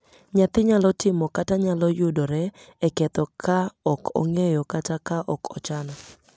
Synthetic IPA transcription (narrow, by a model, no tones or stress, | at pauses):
ɲat̪ɪɲalɔtɪmɔkataɲalɔjʊdoɾɛɛkɛt̪ɔkʰaɔkʰɔ̰ŋejɔkatakaʔɔkʰɔ̰t͡ʃanɔ